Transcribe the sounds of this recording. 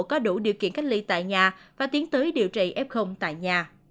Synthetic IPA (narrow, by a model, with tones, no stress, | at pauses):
kɔ˨˦ɗu˧˩ɗi˨əkḭ˧˨ənka˦˥k̟̚li˧t̪a̰ː˧˨jɲaː˨˩vaː˨˩t̪i˨˦ənt̪əː˨˦jɗḭ˧˨əwt͡ɕḭ˧˨ʔɛ˦˥p̚xə˧wŋ͡mt̪a̰ː˧˨jɲaː˨˩